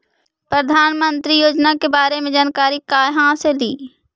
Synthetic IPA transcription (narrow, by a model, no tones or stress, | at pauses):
pɾəd̪ʱaːnmə̃nt̪ɾijoːd͡ʒnakebaːɾemẽd͡ʒaːnkaːɾikaːjɦãːsed̪iː